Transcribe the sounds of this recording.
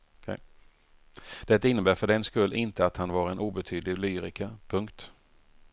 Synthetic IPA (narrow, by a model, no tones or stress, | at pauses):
kʰɛ | d̪̥ɛt̪ːaɪnːəbæːɾfœɖɛnskɵlːɪnt̪əat̪hanvaɾɛnʔuːbɛt̪ʰyːd̪lɪlyːɾɪkʰapʰɵŋkt̪